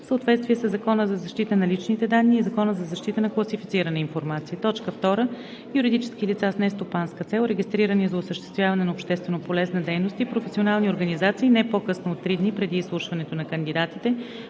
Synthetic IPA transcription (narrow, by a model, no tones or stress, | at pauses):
fsəot̪vɛt̪st̪viɛsəzɐkɔnəzɐzɐʃt̪it̪ənɐlit͡ʃnit̪ɛd̪anːiːzɐkɔnəzɐzɐʃt̪it̪ənɐklˠəsifit̪siɾənəinfoɾmat̪siət̪ɔt͡ʃkəft̪ɔɾə | juɾid̪it͡ʃɛ̥skilit̪sasnɛst̪opanskət̪sɛlˠɾɛɡʲist̪ɾiɾənizɐʊsəʃt̪ɛ̥st̪vʲjavɐnɛnopʃt̪ɛst̪vɛnopolɛznəd̪ɛjnost̪ipɾofɛsionalˠnioɾɡənizat̪siːnɛpokɤsnoot̪ːɾid̪nipɾɛd̪iːslˠuʃvɐnɛt̪onɐkənd̪id̪at̪it̪ɛ